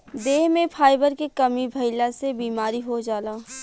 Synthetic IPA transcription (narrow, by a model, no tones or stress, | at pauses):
d̪eːɦmẽpʰaːɪbəɾkekɐmibʱɐɪlasebiːmaːɾiɦod͡ʒaːlaː